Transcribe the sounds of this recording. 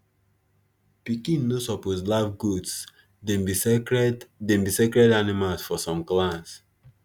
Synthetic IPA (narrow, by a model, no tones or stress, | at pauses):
pikĩnːosɔposlavɡuds | dẽm | dẽmbisekɹɛdanimalsfɔsɔ̃mklãns